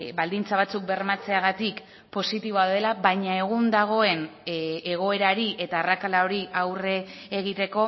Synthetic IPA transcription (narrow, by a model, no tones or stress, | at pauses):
bald̪int͡saβ̞at͡suk̚be̞rmat͡se̞aɣat̪ik | po̞sit̪iβo̞aðe̞laβajɲae̞ɣ̞und̪aɣ̞o̞e̞neɣo̞e̞ɾaɾiʔe̞t̪aːrakalao̞ɾiawreːɣ̞it̪e̞ko̞